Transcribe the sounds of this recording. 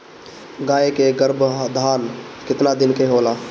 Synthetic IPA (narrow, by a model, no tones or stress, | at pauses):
ɡaːekeɡəɾbʱd̪ʱaːnkɪt̪nad̪ɪnkeɦoːlaː